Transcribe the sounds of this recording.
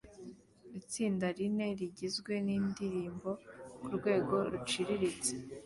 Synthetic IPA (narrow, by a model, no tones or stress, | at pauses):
it͡siːndaɾine̞ɾiɟizɡwe̞niːndiɾiːmbo̞kuɾɡwe̞ːɡo̞ɾut͡ʃiɾiɾit͡se